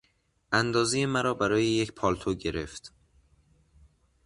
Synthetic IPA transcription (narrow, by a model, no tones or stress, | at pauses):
ʔænd̪ɒːzejemæɾɒːbæɾɒːjejecpʰɒːlt̪ʰoɡɟe̞ɾe̞ft̪